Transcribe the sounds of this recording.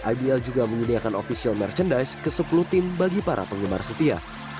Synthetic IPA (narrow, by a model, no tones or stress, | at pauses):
ʔabiɛld͡ʒuɡaməɲidiakanofisialmɛrt͡ʃəndaskəsəpuluht̪ɪmbaɡipaɾʔa̰pəŋɡəma̰rsət̪ia̰